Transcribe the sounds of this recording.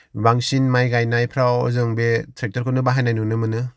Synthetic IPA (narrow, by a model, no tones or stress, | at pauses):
baŋsinmajɡajnajpʰɾawɔ̰zɯŋbetʰɾek̚təɾkʰɯnɯbaɦajnajnunɯmɯnɯ